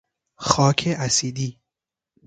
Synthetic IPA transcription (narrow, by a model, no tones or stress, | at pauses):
xɒːkʰeʔæsiːd̪iː